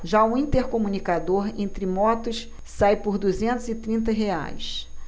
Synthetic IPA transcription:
ʒaʊĩnt̪eɾkomunikad̪oɾẽnt̪ɾɪmɔt̪ʊs | sajpʊɾd̪uzẽnt̪ʊzɪt̪ɾĩnt̪̬ɐɦea̰js

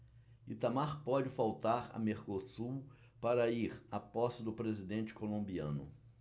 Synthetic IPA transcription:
it̪amaɾpɔd͡ʒɪfawt̪aɾɐ̰meɾkosuw | paɾɐiɾapɔsɐd̪ʊpɾezid̪ẽnt͡ʃɪ̥kolõmbiɐ̰̃nʊ̰

